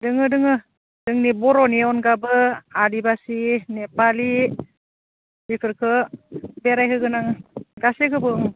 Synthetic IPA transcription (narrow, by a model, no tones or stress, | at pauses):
dɯŋɯdɯŋɯ | dɯŋnibɔɾɔniɔnɡabɯadibasinepali | bikʰɯɾkʰɯbeɾajɦɯɡɯnaŋɯɡasekʰɯbɯŋ